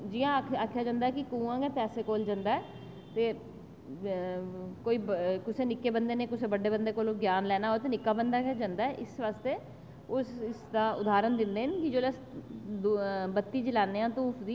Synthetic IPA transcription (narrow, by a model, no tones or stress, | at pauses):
d͡ʒiːãːaːkʰjaːd͡ʒãːnd̪aɛːkɪkũːãːɡɛːpɛːseːkoːld͡ʒãːnd̪aːɛː | t̪eː | koːiːkʊseːnɪkːeːbənd̪eːneːkʊseːbəɖeːbənd̪eːkoːloːɡjaːnlɛːnaːɦoːt̪eːnɪkːaːbənd̪aːkːd͡ʒãːnd̪aːɛʔɪsʋaːst̪eː | ʊsɪsd̪aːʊd̪aːɾənd̪ɪnd̪eːnkɪd͡ʒoːlɛs | bət̪ːiːd͡ʒəlaːneːãːt̪uːfʰd̪iː